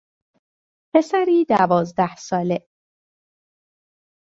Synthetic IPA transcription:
pʰe̞sæɾiːd̪ævɒːzd̪æhsɒːle

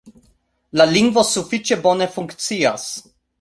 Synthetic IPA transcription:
laliŋɡvɔsufit͡ʃɛbɔnɛfuŋkt̪sias

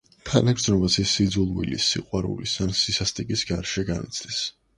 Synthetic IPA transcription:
kʰanaɡɾd̪znɔbasisid̪zulˠwḭlḭsːiqʼwaɾṵlisansisast̪ʼikʼisɡaɾʃɛɡanḭt̪sʰlis

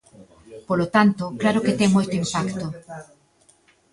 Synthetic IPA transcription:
polot̪ant̪ʊklaɾoket̪ɛŋmojt̪ʊimpakt̪o

